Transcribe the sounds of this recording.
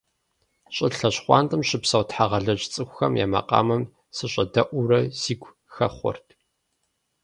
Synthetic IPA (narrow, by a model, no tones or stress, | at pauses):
ɕʼɪɬɐɕχʷɑ̰ːntʼɨmɕɪpsɐwtħaʁɐɮɐt͡ʃʼt͡sʼɨkʷʊxɐmja̰ːmɐ̰qʼɑ̰ːmɐm | sɨɕʼɐdɐʔʷʊrɐz̥iːɡʷ | xɐχʷɔ̰rtʰ